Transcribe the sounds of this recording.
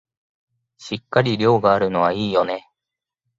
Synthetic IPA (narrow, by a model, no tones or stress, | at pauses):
ɕikːaɾʲiɾʲo̞ːɡaːɾɯ̟no̞β̞aiːjo̞ne̞